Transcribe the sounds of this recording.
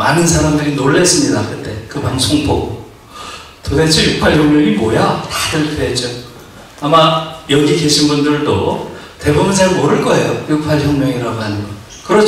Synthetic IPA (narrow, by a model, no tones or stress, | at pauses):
manɯnsʰaɾamdɯɾinoɭːe̞s͈ɯmɲidakɯt͈e̞kɯpaŋsʰoŋbo̰ɡo̰ | todet͡ɕʰijuk̚pʰaɭçjʌŋmjʌŋimojatadɯɭkʰed͡ʑo | amajʌɡike̞ɕʰinbundɯɭdo̰te̞bubunsʰaɯɭmoɾɯɭk͈ʌe̞jojuk̚pʰaɭçjʌŋmʲjʌŋiɾaɡoɦanɯnɡʌ | kɯɾʌ